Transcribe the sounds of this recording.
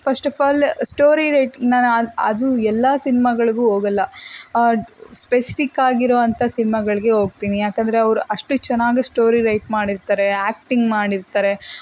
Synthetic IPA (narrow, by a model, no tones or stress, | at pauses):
pʰɐsʈɐpaːlsʈoːɾiɾɐjʈnaːnɐɐ̰d̪uɛlːɐsinimɐɡɐɭiɡuːɦoːɡɐlːɐ | spesi̥pʰikːaːɡiɾoːɐnt̪ʰɐsinimɐɡɐɭiɡeɦo̞ːɡ̚t̪iːnijaːkɐnd̪ɐɾeɐʋɐɾuʔɐʂʈut͡ʃɛnːaːɡisʈoːɾiɾɐjʈmaːɽiɾt̪aːɾe̞aːk̚ʈiŋɡmaːɽiɾt̪aːɾe̞